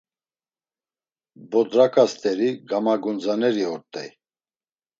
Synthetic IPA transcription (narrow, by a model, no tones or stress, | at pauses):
bɔd̪ɾakʰʼast̪ʰʼɛɾiɡamaɡɔnd͡zanɛɾiɔɾt̪ʼɛ̰j